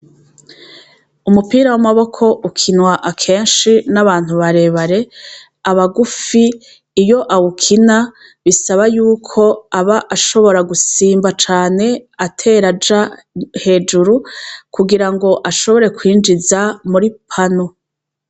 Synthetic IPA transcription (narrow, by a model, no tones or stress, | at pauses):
umupiːɾawamaβo̞kʰo̞ʔukʰinwaʔakʰe̞ːnʃinaβaːn̥huβaɾe̞βaɾe̞ | aβaɡufiː | jo̞ʔawukʰina | βisaβajuːkʰo̞aβaʔaʃo̞βo̞ɾaɡusiːmbat͡ʃaːne̞atʰe̞ɾad͡ʒa | he̞ːd͡ʒuɾukuɡiɾaŋɡo̞ʔaʃo̞βo̞ɾe̞kwiːnd͡ʒizamuɾipʰano